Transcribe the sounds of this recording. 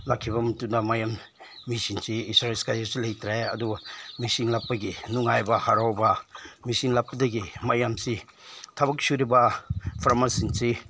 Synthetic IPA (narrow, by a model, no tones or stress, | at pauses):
lakʰːibɐmɐtundɐmajamː | isiŋsiisɾaelskajasulɐjtɾeɐdumisiŋlak̚pːɐɡinuŋajbɐhaɾawbɐmisiŋlak̚pːɐdɐɡimajamsi | tʰabɐk̚suɾibɐpʰɾamasinsi